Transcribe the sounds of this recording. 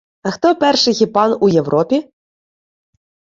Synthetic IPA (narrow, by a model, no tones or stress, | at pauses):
ɐxt̪ɔpɛrʃɪɣʲipɑnujewɾɔpʲi